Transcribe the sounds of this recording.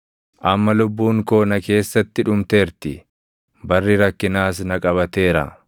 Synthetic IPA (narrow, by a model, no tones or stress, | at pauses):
ʔɐmːɐlʊbːuːŋko̞ːnɐke̞ːsːɐt̪ːɪᶑʊmt̪e̞ːɾt̪ɪ | bɐrːɪɾɐkːɪnaːs̬nɐkʼɐβɐt̪e̞ːɾɐ̰